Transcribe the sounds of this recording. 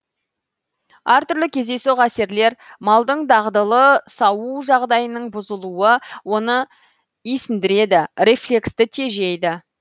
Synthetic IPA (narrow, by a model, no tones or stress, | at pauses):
æɾt̪ʰʏɾlɪkʲʰe̞zd̪e̞suʁæse̞ɾle̞ɾmɑlˠd̪əɴd̪ɑʁd̪əlˠəsɑwuʒɑʁd̪ɑjənəɴbʊzəlˠuəwo̞nə | isɪnd̪ɪɾe̞d̪ɪre̞flʲe̞kst̪ɪt̪ʰe̞ʒejd̪ɪ